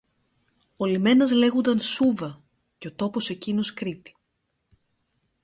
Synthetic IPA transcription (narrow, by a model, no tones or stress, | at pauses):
olime̞nɐzle̞ɣond̪ɐnsuvɐ | ceo̞t̪o̞po̞se̞cino̞skɾit̪i̥